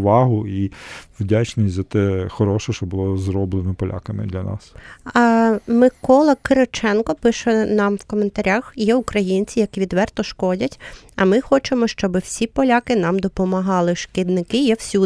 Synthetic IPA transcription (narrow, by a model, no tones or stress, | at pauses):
ʋɑɦʊiwdʲat͡ʃnʲisʲzɐt̪ɛxɔɾɔʃɛʃt͡ʃɔbʊlˠɔzɾɔblˠenɔpɔlʲʔa̰kɐmɪ̰d̪lʲɐnɑ̰s | mɪkɔlˠɐkɪɾet͡ʃɛnkɔpɪʃɛnɑmwkɔment̪ɐɾʲaxjɛukɾɐjinʲt͡sʲijɐkʲiʋʲid̪ʋɛrt̪ɔʃkɔdʲɐtʲ | ɐmɪxɔt͡ʃemɔʃt͡ʃɔbɪwsʲipɔlʲakɪnɑmd̪ɔpɔmɐɦɑlˠɪʃkɪd̪nɪkɪjɛwsʲu